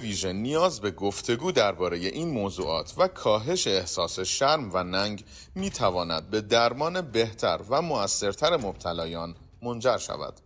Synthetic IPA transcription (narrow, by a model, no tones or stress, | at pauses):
viːʒe̞nijɒːzbe̞ɡo̞ft̪ʰe̞ɡuːd̪æɾbɒːɾe̞je̞ʔiːnmoːzṵːʔɒ̰ːt̪ʰvækʰɒːɦe̞ʃe̞ːhsɒːse̞ʃæɾmvænæːŋɡ | miːt̪ʰævɒːnæ̰d̪̚be̞d̪æɾmɒːne̞be̞ht̪ʰæ̰ɾvæmoæsːe̞ɾt̪ʰæɾemob̥̚t̪ʰælɒːjɒːn | mo̞nd͡ʒæɾʃæ̰væ̰d̪̥